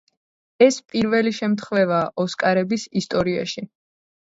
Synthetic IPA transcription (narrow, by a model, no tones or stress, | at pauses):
ɛspʼiɾvɛliʃɛmt̪ʰχvɛvaːʔɔskʼaɾɛbisist̪ʼɔɾia̰ʃi